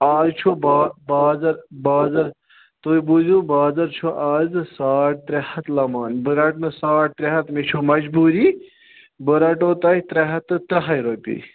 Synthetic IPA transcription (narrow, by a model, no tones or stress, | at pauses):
aːzt͡ʃʰobaːbaːzɐɾbaːzɐɾ | t̪ojbuzubaːzɐɾt͡ʃʰoʔaːzsaːʈ̚t̪ɾehɐt̪lɐmaːnbəɾaʈnɨsaːʈ̚t̪ɾeɦɐt̪mit͡ʃʰomɐd͡ʒbuɾi | bɨɾaʈoːt̪ɐit̪ɾeɦɐt̪ːɨt̪ɐɦɐjɾopḭ